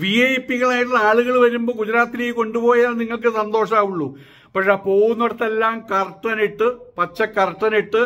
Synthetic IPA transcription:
ʋiejpːiɣɐɭaːjʈulːɐaːɭuɣɐɭʋɐɾumbo̞ːɡud͡ʑɐɾaːt̪ːineːjko̞ɳɖupo̞ːjaːnniŋːɐɭk̬ɨsɐnd̪o̞ːʂaːuɭːu | pɐkʂepo̞ːwunːoɽɐt̪ːelːaːmkɐrʈːɐniʈːɨpɐt͡ɕːɐkːɐrʈːɐniʈːɨ

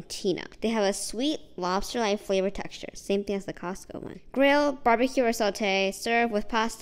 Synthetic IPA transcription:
tʰĩnʔo̰ðeɪɨvəswitlɑb̥stə˞laɪtfleɪvə˞tʰɛ̰kst͡ʃə̰˞sẽɪ̃mθɪ̃ŋɨzðɨkʰɑskʰo̰ʊwʌ̰̃nɡ̥ɹɪlˠbɑɹbɨkʰjʉə˞sɔlˠtʰeɪsɜ˞vwɨð̥pʰɑst

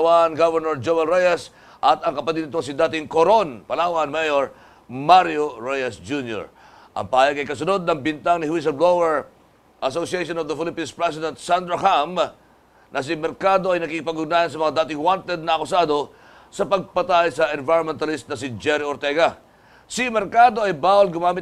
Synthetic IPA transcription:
wanɡavɛɹnoɹd͡ʒowɛlɹɛjɐs | ʔɐt̪ɐŋkɐpɐt̪id̪ɪt̪oŋsɪd̪aːt̪ɪŋkoɾonpɐlawɐnmɛjoɹ | maɾjoɹɛjɐsd͡ʒunjo̰ɹ | ʔɐ̰ŋpɐaːjɐɡ̚kɐjkɐsʊnod̪̚nɐŋbɪnt̪aŋnɪhwis̬ɐblowɛɹ | ʔɐsosɪɛjʃonovd̪ɐfɪlɪpinspɹɛs̬ɪd̪ɛnt̪̚sand̪ɾɐham | nɐs̬imɛɾkad̪o̞ɐjnɐkikɪpɐɡʊɡ̚naːhɐns̬ɐmɐŋad̪aːt̪ɪŋwant̪ɛd̪̚nɐʔɐkʊsaːd̪o̞ | sɐpɐɡ̚pɐt̪ajsɐʔɛnvajɾɹonmɛnt̪ɐlist̪̚nɐsɪd͡ʒɛɾioɾt̪ɛɡɐ | simɛɾkad̪o̞ɐjbaːwɐlɡʊmaːmɪt

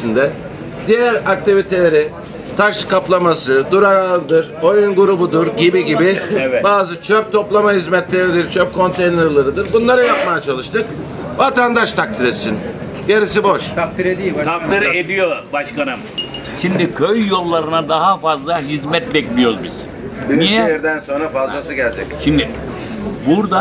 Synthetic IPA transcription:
sind̪ɛ | d̪ijæɾak̚t̪ʰivit̪ʰe̞lʲeɾi | t̪ʰaʃkʰaplˠamasɯd̪uɾaɾald̪ɯɾojunɡuɾubud̪uɾɟibiɟibievɛbaːzɯt͡ʃʰøp̚t̪ʰo̞plˠamaɦizmɛt̪lʲe̞ɾid̪iɾt͡ʃʰøp̚kʰo̞nt̪ʰejneɾlˠaɾɯd̪ɯɾbunlˠaɾajap̚majat͡ʃʰalˠɯʃt̪ʰɯk̚ | vat̪and̪aʃt̪ʰak̚t̪ʰiɾet̪sin | ɟeɾis̬ibo̞ʃt̪ʰak̚t̪ʰiɾed̪ijiaalaɾed̪ijobaʃkanɯm | ʃimd̪ikʰøjːo̞lˠːaɾɯnad̪aɦafazlˠaɦizmɛt̪bɛclʲijozbḭz̥ | biiɛjɛɾd̪ænso̞nɾafazˠasɯɟɛlʲd͡ʒɛcʃimd̪ɪ | buɾd̪a

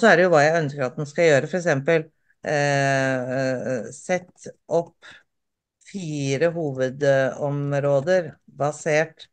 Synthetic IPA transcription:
sɔæɖɛjʊʋɑːjæɪœnskəɾɑt̪̚d̪ɛnskɑjøːɾəfɔɾɛksɛmpəl | sɛt̪ːʔɔp | fiːɾəɦuːʋəd̪ɔmɾoːd̪əɾ | bɑseːʈ

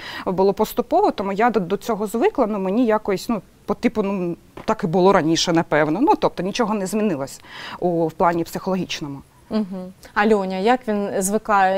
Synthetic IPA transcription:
bʊlˠɔpɔst̪ʊpɔʋɔt̪ɔmujad̪ɔt͡sʲɔɦɔzʋɪklˠɐnumenʲijakɔjisʲnu | pɔt̪ipʊnum | t̪ɑkɪbʊlˠɔɾɐnʲiʃɛnɐpɛwnɔnut̪ɔp̚t̪ɔnʲit͡ʃɔɦɔnɛzmʲinɪlˠɐsʲɐ̥uwplˠɑnʲipsɪxɔlˠɔɦʲit͡ʃnɔmʊ | m̩ɦ̩ɐlʲɔnʲɐjakʋʲinzʋɪkɑjɛ

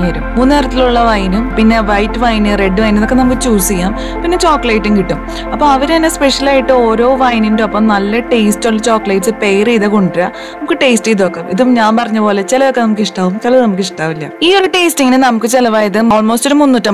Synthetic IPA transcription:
ɐɾummuːnːɨeːɾɐt̪ːiluɭːɐʋɐjnumpinːe̞ʋɐjtːʋɐjnɨre̞ɖːɨʋɐjniðokːenɐmukːɨt͡ɕuːsikʲːaːm | pinːe̞t͡ɕoːkːɭɐjʈːuŋkiʈːum | ɐpːomɐʋɐɾanːespeʂɐlaːjiʈːɨo̞ːɾo̞ːʋɐjnindopːɐmnɐlːɐʈe̞jstuɭːɐt͡ɕoːkːlɐjʈsɨpejriːðɐkoɳʈiɾɐ | nɐmukːɨʈe̞ːstijðokːemiðumɲaːnpɐrɐɲːɐpo̞ːlet͡ɕelɐʋokːe̞nɐmuk̬ːiʂʈaːʋumkɐlɐðnɐmukːiʂʈaːʋilːɐ̰iːo̞ɾuʈe̞ːstiŋːinɨnɐmukːɨt͡ɕelɐʋaːjɐðɨoːlmo̞ːstoɾumunːutːɐm

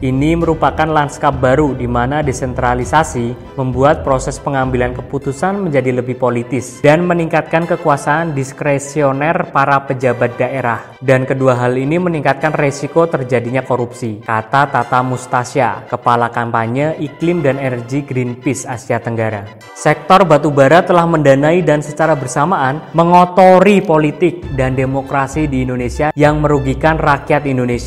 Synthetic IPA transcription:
ʔiniməɾupakanlanskap̚baɾudimanadesɛnt̪ɾalisasi | məmbuat̪̚pɾosɛspəŋambilankəput̪usanməɲd͡ʒadiləbɪhpolit̪ɪsd̥anməniŋkat̪̚kankəkuasaːndiskɾesionɛrpaɾapəd͡ʒabat̪̚daʔeɾah | dankəduaɦaliniməniŋkat̪̚kanresikot̪ərd͡ʒadiɲakoɾupsikat̪at̪at̪amust̪asia̰kəpalakampaɲəʔiklɪmdanenərɡiɡɾinpɪsasiat̪əŋɡaɾa | sɛk̚t̪ɔrbat̪ubaɾat̪əlahməndanaidansət͡ʃaɾabərsamaʔːnməŋot̪oɾipolit̪ɪk̚dandemokɾasidiːndonesiajaŋməɾuɡikanrakiat̪indonesia

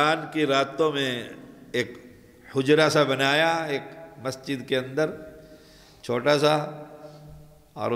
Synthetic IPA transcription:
aːnkiɾaːt̪õmẽeːk | hʊd͡ʒɾasabɐnaːjaeːkmɐsd͡ʒɪd̪keɐ̃nd̪əɾ | t͡ʃʰoːʈasa | ɔ̰ːɾ

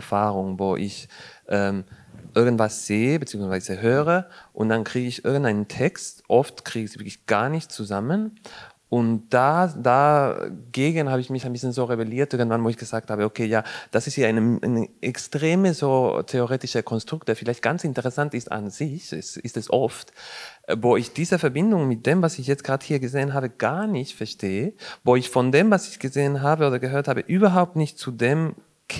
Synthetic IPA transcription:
faːʁʊŋvoːʔɪçʔɛːmʔɪɐɡən̩tv̥asz̥eːəbət͡siːʊŋsv̥aɪz̥əɦøːʁəʔʊntd̥ankʁ̥iːɡəɪçʔɪɐɡən̩taɪnəntʰɛkstʔɔftkʁ̥iːɡəzivɪɐklɪçɡ̥aːɐnɪçtt͡suzamən | ʔʊntd̥ada | ɡeːɡən̩haːbəɪçmɪçaɪnbɪsçənzoːʁebeliːɐtʔɪɐɡn̩tv̥anvoːɪçɡ̥əzaːk̚thaːbəokʰeːjaːd̥asɪsthiːɐaɪnəʔa̰nəʔɛkstʁ̥eːməzoːtʰeoʁeːtɪʃəkʰɔnstʁ̥ʊktd̥eːɐfɪlaɪçt̚ɡ̥ant͡sɪntəʁɛsantɪsta̰nzɪçɛ̰sɪstɛsʔɔ̰ftvoːɪçd̥iːzəfɛɐbɪndʊŋmɪt̚d̥eːmvasɪçjɛt͡stɡ̥ʁaːthiːɐɡəzeːənɦaːbəɡ̥aɐnɪçtfɛɐʃtʰeːəvoːɪçfɔndeːmvasɪçɡ̥əzeːənɦaːbəoːdɐɡəɦøːɐthaːbəʔyːbɐɦaʊp̚tnɪçtt͡sudeːm

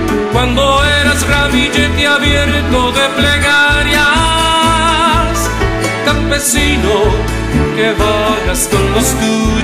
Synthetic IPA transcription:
kwãnd̪oeɾasɣɾamid͡ʒet̪jaβjeɾt̪oðepleɣaɾja | s | kampesino | keβaɣaskõnlosku

